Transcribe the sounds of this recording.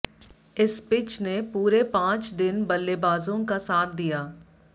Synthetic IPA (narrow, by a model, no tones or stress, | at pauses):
ɪspɪt͡ʃnepuːɾepãːt͡ʃd̪ɪnbɐlːebaːzõkasaːt̪̚ʰd̪ijaː